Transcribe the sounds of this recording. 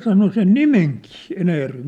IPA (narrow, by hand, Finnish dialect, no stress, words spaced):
sɑno sen nimeŋkiː enæjærʋem